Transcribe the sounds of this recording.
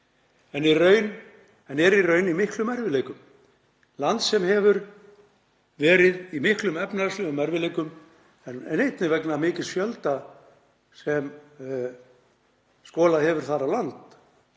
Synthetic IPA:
ɛnirœːɥn | ɛnɛɾirœɥnimɪhklʏmɛɾvɪleːjkʏm | lant̪sɛmhɛvʏɾ | vɛːɾɪðimɪhklʏmɛpnaslʏʏmɛɾvɪlejkʏm | ɛnnejt̪nɪvɛknamɪːcɪɾsfjœlt̪a | sɛm | skɔːlaðɦɛvʏɾ̥θaɾalant̪

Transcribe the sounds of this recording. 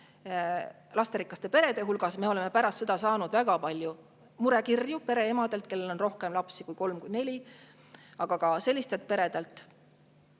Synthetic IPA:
lɑst̪eɾikːˑɑst̪e̞pe̞ɾe̞d̪̥e̞ɦulɡ̥ɑsme̞o̞leme̞pæɾɑst̪se̞d̪̥ɑsɑːnud̪̥væɡ̥ɑpɑlʲju | muɾe̞kirjupe̞ɾe̞e̞mɑd̪̥e̞lt̪̚ke̞lːe̞lo̞nro̞hke̞mlɑpsikujko̞lmkujne̞lʲi | ɑɡ̥ɑkɑse̞lːist̪e̞lt̪̚ˑpe̞ɾe̞d̪̥elt̪ːˑ

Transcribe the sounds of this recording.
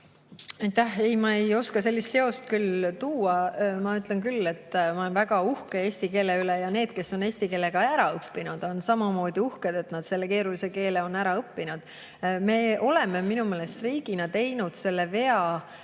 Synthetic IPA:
ɑjt̪ːˑæhe̞jmɑejo̞skɑse̞lʲːist̪seo̞st̪̚kylt̪uːɑmɑyt̪ˑlenkylːe̞t̪ːmɑnvæɡ̥ɑuhkee̞ːsʲt̪ike̞ːleylejɑne̞ːd̪̥̚ke̞so̞ne̞ːsʲt̪ike̞lːe̞kɑæɾɑɤpːinud̪̥o̞nsɑmɑmo̞ːd̪̥iuhked̪̥e̞t̪nɑd̪̥se̞lːeke̞ːɾulise̞ke̞ːleo̞nːæɾɑɤpːinud̪̥ | me̞ːʔo̞leme̞minume̞ːlest̪riːɡ̥inɑt̪e̞jnud̪̥se̞lːeve̞ɑ

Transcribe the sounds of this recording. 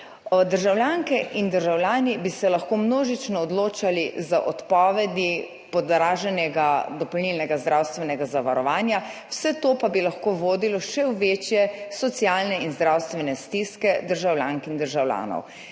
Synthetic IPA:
ɔd̪əɾʒawlʲjaŋkɛʔind̪əɾʒawljaːnibisɛlaxkomnoːʒit͡ʃnɔːd̪loːt͡ʃalizaʔɔt̪pɔːʋɛd̪i | pɔd̪ɾaːʒɛnjɛɡad̪ɔpɔwnilnɛɡazd̪ɾaːwst̪ʋɛnɛɡazaʋaɾɔʋaːnjawsɛt̪oːpabilaxkoʋoːd̪ilɔʃɛwʋet͡ʃjɛsɔt̪siaːlnɛinzd̪ɾawst̪ʋɛnɛst̪iskɛd̪əɾʒawlʲjaŋkind̪əɾʒawlʲa̰ːnɔ̰w

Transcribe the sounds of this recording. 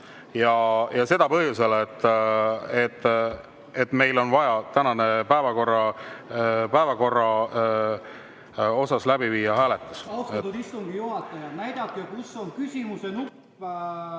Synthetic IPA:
jɑjɑse̞d̪̥ɑpɤɦjuse̞let̪ː | et̪ːˑ | et̪me̞jlo̞nvɑjɑt̪ænɑne̞pæevɑko̞rːɑ | pæevɑko̞rːɑ | o̞sɑslæbiviːjɑɦhæːlet̪ːˑesɑust̪ɑt̪ud̪ist̪uŋɡ̥ijuɦɑt̪ːˑɑjɑnæjd̪̥ɑkːˑekusːoŋkysʲimusenupː

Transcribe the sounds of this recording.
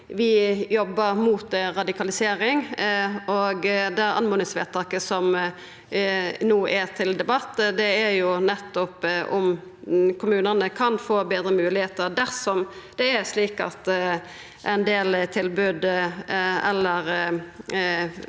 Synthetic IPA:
ʋɪjɔbːəɾmuːt̪ɾɑd̪ɪkʰɑlɪseːɾɪŋ | oɡd̪ɛɾɑ̰nmʊːnɪŋsʋḛːt̪ʰɑːkəsɔm | nuːʔæt̪ʰɪld̪ɛbɑt̪ːd̪ɛæɾjʊnɛt̪ːɔpʔʊm | kʰʊmʉːnəʁnəkʰɑnfoːbeːd̪ɾəmʉːlɪheːt̪əɾd̪æʁsɔmd̪̥ɛæɾsliːkɑ̰t̪ | ʔæɪnd̪eːlt̪ʰɪlbʉd̪ | ɛlːəɾ

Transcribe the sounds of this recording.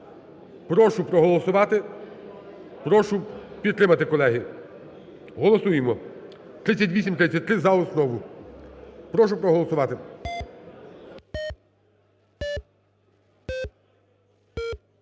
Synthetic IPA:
pɾɔʃʊpɾɔɦɔlˠɔsʊʋɑt̪ɪ | pɾɔʃʊpʲid̪t̪ɾɪmɐt̪ɪkɔlˠɛɦi | ɦɔlˠɔsujemɔ | t̪ɾɪt͡sʲːɐt̬ʲʋʲisʲimt̪ɾɪt͡sʲːɐt̚ʲt̪ɾɪzɐɔsnɔʋʊ | pɾɔʃʊpɾɔɦɔlˠɔsʊʋɑt̪ɪ

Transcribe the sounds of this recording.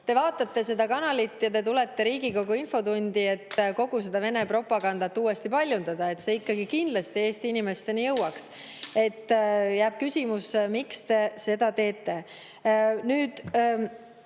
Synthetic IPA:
t̪e̞vɑːt̪ːˑɑt̪ːe̞se̞d̪̥ɑkɑnɑlit̪ːˑjɑt̪e̞t̪̬ule̞t̪ːe̞ɾiːɡ̥iko̞ɡuinfo̞t̪unʲd̪̥ie̞t̪ːko̞ɡ̥use̞d̪̥ɑve̞ne̞pro̞pːˑɑɡ̥ɑnd̪ɑt̪ːˑuːwe̞st̪ipɑlʲjund̪ɑd̪ɑe̞t̪se̞ikˑːɑɡikind̪lɑst̪ie̞ːst̪iinime̞st̪e̞nijɤwɑks | e̞t̪ːjæːb̥kysʲimusmikst̪e̞se̞d̪ɑt̪e̞ːt̪ːˑe̞ | nyːd̪̥

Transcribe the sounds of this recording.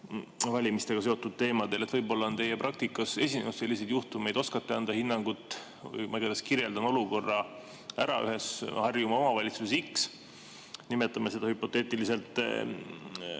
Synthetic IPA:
vɑlʲimist̪e̞ɡ̥ɑse̞o̞t̪ːˑud̪̥̚t̪e̞ːmɑd̪̥e̞let̪vɤjbo̞lːɑo̞nt̪e̞jeprɑk̚t̪ikːˑɑse̞sʲinenud̪se̞lːis̬e̞jd̪̥juht̪ume̞jd̪̥o̞skɑt̪ːeɑnd̪̥ɑhinːɑŋɡut̪ːˑ | jmɑɡɑd̪̥eskiɾje̞ld̪ɑno̞luko̞rːɑ | æɾɑ̰ʔy̰ɦe̞shɑrjumɑo̞mɑvɑlʲit̪susesiks | nime̞t̪ːˑɑmese̞d̪ɑhypːˑo̞t̪ːˑeːt̪ːˑilise̞lt̪ːˑ

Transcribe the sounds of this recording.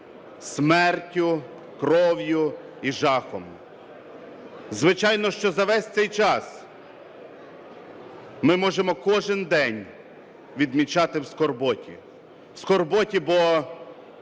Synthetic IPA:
smɛrtʲʊ | kɾɔʋjʊ | iʒɑxɔm | zʋɪt͡ʃɑjnɔʃt͡ʃɔzɐʋɛsʲt̚ʲsɛjt͡ʃɑs | mɪmɔʒemɔkɔʒɪnd̪ɛnʲ | ʋʲid̪mʲit͡ʃɑt̪ɪwskɔrbɔtʲḭ | wskɔrbɔtʲibɔ

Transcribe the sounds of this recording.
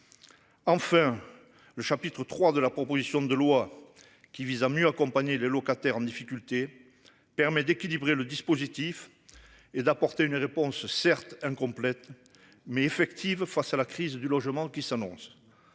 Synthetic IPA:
ɑ̃fɛ̃ | ləʃapit̪χət̪χwad̪əlapχɔpozisjɔ̃d̪əlwa | kʲivizamjøakɔ̃paɲelelɔkat̪ɛʁɑ̃d̪ifikʲylt̪e | pɛʁmɛd̪ekʲilibʁeləd̪ispozit̪if | ed̪apɔʁt̪eynʁepɔ̃ssɛʁt̪ɛ̃kɔ̃plɛt̪ | mɛːfɛkt̪ʰivfasalakχizd̪ylɔʒəmɑ̃kʲisanɔ̃s

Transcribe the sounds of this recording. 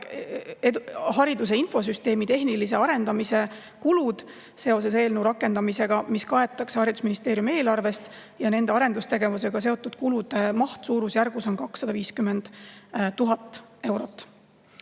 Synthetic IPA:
ehɑɾid̪us̬e̞info̞s̬yst̪e̞ːmit̪e̞ɦnilis̬e̞ɑɾe̞nd̪ɑmise̞ | kulud̪̥ | se̞o̞s̬e̞s̬e̞ːlnewɾɑkːˑe̞nd̪̥ɑmise̞ɡ̥ɑmiskɑe̞t̪ːˑɑkseɑɾid̪u̥sminist̪e̞ːɾjume̞ːlɑrve̞st̪ | jɑne̞nd̪̥e̞ɑɾe̞nd̪̥ust̪e̞ɡe̞vuse̞ɡ̥ɑs̬e̞o̞t̪ːˑud̪̥kulud̪̥emɑht̪suːɾusjærɡ̥uso̞nkɑksːɑd̪ɑviːskymːend̪̥t̪ːuɦɑt̪ːˑe̞wɾo̞t̪ːˑ

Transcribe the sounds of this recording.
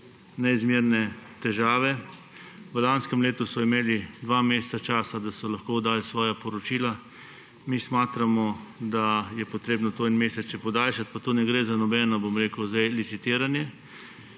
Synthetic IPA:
nɛizmiːɾnɛt̪ɛʒaːʋɛ | ʋəlanskɛmleːt̪usɔimeːlid̪ʋaːmeːst̪sat͡ʃaːsad̪asɔlaxkoːd̪aːlisʋɔːjapɔɾɔt͡ʃiːla | mismaːt̪ɾamɔd̪ajɛpɔt̪ɾeːbnɔt̪oinmeːsɛt͡ʃɛpɔd̪aːlʃat̪̚pat̪onɛɡɾeːzanɔbɛːnɔbomɾeːkəwzajlisit̪iːɾanjɛ

